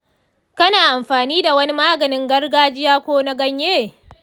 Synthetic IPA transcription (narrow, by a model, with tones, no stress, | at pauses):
kɐ˦naː˨ʔa˨mɸaː˨niː˦da˨wɐ˦ni˦maː˦ɡɐ˨nɪ˦ŋɡɐ˦rɡaː˦d͡ʒɪ˦jaː˦kʷoː˦na˦ɡɐ˦ɲjeː˦˨